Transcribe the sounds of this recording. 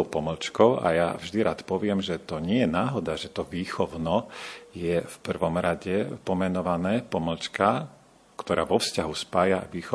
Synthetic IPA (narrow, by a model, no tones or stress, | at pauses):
ɔʊpɔml̩t͡ʃkɔʊa̰ja̰vʒd̪iɾaːt̪pɔʋɪɛmʒɛt̪ɔɲɪɛjɛnaːɦɔd̪aʒɛt̪ɔʋiːxɔʊnɔjɛfpr̩ʋɔmɾaɟɛpɔmɛnɔʋanɛːpɔml̩t͡ʃka | kt̪ɔɾaːʋɔfscaɦuspaːjaʋiːxɔ